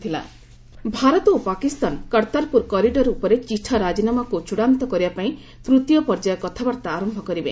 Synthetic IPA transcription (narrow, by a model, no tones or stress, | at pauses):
t̪ʰila̰ | bʱaɾɔt̪ɔopakist̪ankɔɾt̪aɾpuɾkɔɾiɖɔɾupɔɾet͡ʃiʈʰaɾad͡ʒinamakut͡ʃuɽant̪ɔkɔɾibapaĩ | t̪ɾut̪ijɔpɔɾd͡ʒajɔkɔt̪ʰabaɾt̪aːɾɔmbʱɔkɔɾibe